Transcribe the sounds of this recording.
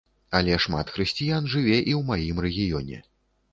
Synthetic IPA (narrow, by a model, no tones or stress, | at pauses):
ɐlʲɛʂma̰t̪xɾɨsʲt͡sʲijanʐɨvʲɛʔiwmajimrɛɣʲijɔnʲɛ̰